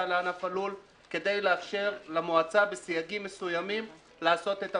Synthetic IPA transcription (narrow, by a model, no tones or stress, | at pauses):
aleanafalul | ke̞d̪e̞jleafʃeʁlamoat͡sabesijaɡimːe̞sujamim | laːso̞t̪e̞t̪a